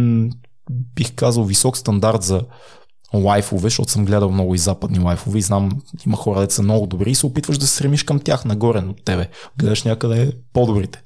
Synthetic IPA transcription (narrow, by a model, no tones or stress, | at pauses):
bixkazəlˠvisɔkst̪ɐnd̪aɾt̪zɐ | lˠajfovɛʃt̪ɔt̪ʊsɤmɡlɛd̪əlˠmnɔɡʊizapəd̪nilˠajfovɛiznamimɐxɔɾəd̪ɛsəmnɔɡʊd̪obɾiːsɛopit̪vəʒd̪ɐsɛ̥sɾɛmiʃkəmt̪ʲjaxnɐɡɔɾɛnot̪ːɛbɛɡlɛd̪əʃnʲakəd̪ɛpod̪obɾit̪ɛ̥